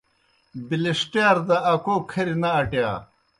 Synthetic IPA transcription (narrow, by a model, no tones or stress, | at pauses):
biliʂʈjaːɾd̪ɐːkoːkʰɐɾinɐɐʈja